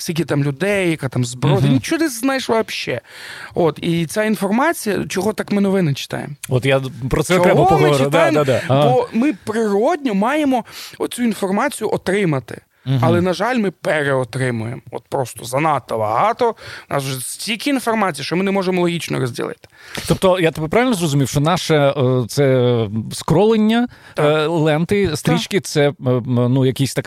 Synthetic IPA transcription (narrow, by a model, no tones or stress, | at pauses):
sʲik̬ʲit̪ɑmlʲʊd̪ɛjjɐkat̪ɑmzbɾɔd̪inʲit͡ʃɔnɛznɑjeʃʋɐpʃɛ̰ot̪it͡sʲainfɔrmɑt͡sʲijɐt͡ʃɔɦɔt̪ɑkmɪnɔʋɪnɪt͡ʃɪ̥t̪ɑ̰jḛmɔɔt̪japɾɔt̪sɛɔkɾɛɔɔɦɔt͡ʃɾɪd̪ajemdbɔmɪpɾɪɾɔdʲnʲɔmɑjemɔɔt̪t͡sʲuinfɔrmɑt͡sʲijʊʔɔt̪ɾɪmɐt̪ɪ̰ | ɐlˠɛnɐʒɑlʲmɪpeɾeɔt̪ɾɪmʊjemɔ̰t̪pɾɔst̪ɔzɐnɑt̪ːɔbɐɦɑt̪ɔnʔɑ̰sʒɛtʲilʲkʲiinfɔrmɑt͡sʲijiʃt͡ʃɔmɪnɛmɔʒemɔlˠɔɦʲit͡ʃnɔ̰ɾɔzʲdʲḭlˠɪ̰t̪ɪ̥t̪ɔp̚t̪ɔjat̪pɾɑʋʲɪlʲnɔzrɔzʊmʲiwʃt͡ʃɔnɑʃɛt̪sɛskɾɔlˠenʲːɐ | lˠɛnt̪ɪst̪ɾʲit͡ʃkɪt̪sɛnujɐkʲisʲt̪ɐk